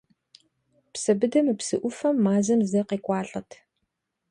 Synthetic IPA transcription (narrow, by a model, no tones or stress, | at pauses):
psɐbɨdɐmɨpsɨʔʷʊfɐmːaːzɐmzɐqeːkʷʼɑːɬʼɐtʰ